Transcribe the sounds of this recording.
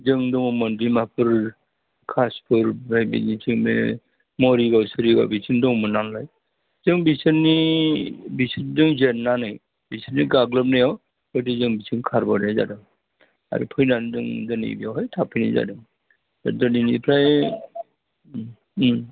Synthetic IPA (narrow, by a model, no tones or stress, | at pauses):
zɯŋdɔŋmɔndɾimapʰɯɾ | kʰaspʰɯɾpʰɾajbḭnitʰiŋmḛ | mɔɾiɡawsɯɾiɡa̰wbisindɔŋmɯnanlaj | zɯŋbisɯnːi | bisindɯŋzenːanɯj | bisɯnniɡaɡləp̚najaw | kɔdizɯŋbisʰɯŋkʰaɾbɔnɯjza̰dɯŋ | a̰ɾḭpʰɯjnandɯŋdɔnḭbijawɦɔjtʰapʰɯjnḭza̰dɯŋ | a̰dɔninipʰɾaj